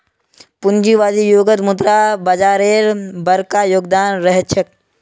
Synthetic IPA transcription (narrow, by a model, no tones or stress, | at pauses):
pund͡ʒiʋaːzijoːɡət̪mud̪ɾaːbɐd͡ʒaːɾeːɾbɐɾkajoːɡ̚d̪aːnɾəɦet͡ʃʰək̚